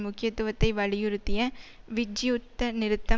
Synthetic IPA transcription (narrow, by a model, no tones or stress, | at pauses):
mʊkːɪjɐt̪ːʊʋɐt̪ːɐɪʋɐɻɪjɯɾɯt̪ːɪjɐ | ʋɪd͡ʒɪjʊt̪ːɐnɪɾɯt̪ːɐ